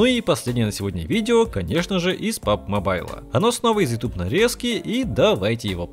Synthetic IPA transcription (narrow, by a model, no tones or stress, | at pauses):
uipɐsʲlʲedʲnʲɪjənəsʲɪvodʲnʲəvʲidʲɪokɐnʲe̞ʂnəʐɨʔispap̚mɐbajlˠə̰ɐnosnovəɪzjɪt̪ʲupnɐɾʲeskʲɪʔid̪ɐvajtʲɪjɪvo